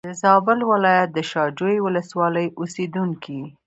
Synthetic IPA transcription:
d̪̥əzɑbɪlwɪlɑjat̪̚d̪əʃɑd͡ʒojwʊləswɑləjʔosed̪uŋkʰi

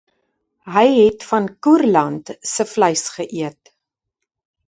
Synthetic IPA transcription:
ɦəjɦɛtfɐnkurlɐntsəfləjsχəʔiət̚

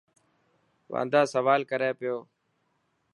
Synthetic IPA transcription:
ʋã̰ːnd̪aːsəʋaːlkəɾeːpɪjoː

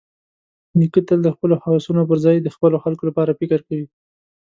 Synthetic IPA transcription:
nikət̪əld̪əxpəlohawsunop̬əɾzɑjd̪əxpəloxalkolapɑɾafɪkəɾkawi

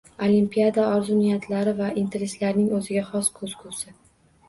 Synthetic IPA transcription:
olimpʲijad̪aɒɾzʊnijat̪ʰlaɾɪvaʔint̪ʰe̞ɾe̞slaɾnɪŋɵzɪɡʲaχɒskʰɵz̥kʰuwsɪ

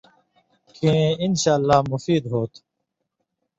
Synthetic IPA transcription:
kẽɪnʃaːlːaːmʊfiːd̪ɦoːt̪ʰ

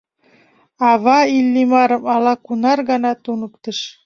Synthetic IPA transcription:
ɑβɑilːimɑɾɤ̆mɑlɑkunɑrɣɑnɑt̪unə̆k̚t̪ɤʃ

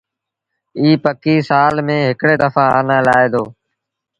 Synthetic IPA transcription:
iːpəkiːsaːlmẽːɦɪkɽeːd̪əfãːa̰ːnãːlaːeːd̪oː

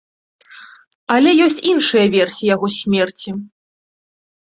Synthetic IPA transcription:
ɐlʲɛjɔsʲt͡sʲinʂɨjɐvʲɛrsʲijaɣɔsʲmʲɛrt͡sʲi

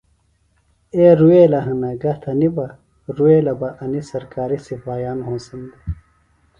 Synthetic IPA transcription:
eɾueːlɐɦɐnɐɡɐt̪ʰɐnibɐ | ɾueːlɐbɐʔɐnisɐɾkaːɾisifaːjaːnɦõːsind̪i

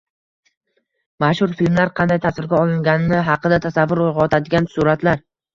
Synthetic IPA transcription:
maʃhʊɾfilmlaɾqʰɑnd̪ajt̪ʰasvɪɾɡʲaɒlˠɪŋɡʲanɪnɪɦɑqɨd̪at̪ʰasavːʊɾojʁɑɒt̪ʰad̪ɪɡʲansʊɾat̪laɾ

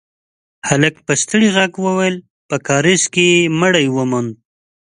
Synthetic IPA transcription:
halək̚pəst̪əɽiɣaɡwəwajl | pəkɑɾɪskeməɽajwəmand̪̚

